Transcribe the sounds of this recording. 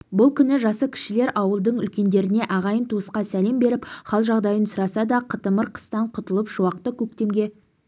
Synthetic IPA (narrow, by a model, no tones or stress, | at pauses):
bʊlˠkʲʰʏnɪʒɑsəkʲʰɪ̥ʃɪle̞ɾʔɑwəlˠd̪əɴʏlkʲe̞nd̪e̞ɾɪne̞ʔɑʁɑjənt̪ʰuəsqɑsæle̞mbe̞ɾɪpχɑlˠʒɑʁd̪ɑjənsʊɾɑsɑd̪ɑqʰət̪əməɾqʰə̥st̪ɑɴqʰʊt̪əlˠəpʒ̥ʊwɑq̚t̪əkʲʰɵk̚t̪e̞mɡʲe̞